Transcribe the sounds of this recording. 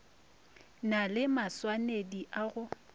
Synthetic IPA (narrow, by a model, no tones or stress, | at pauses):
nalɪmaswanediʔaɣʊ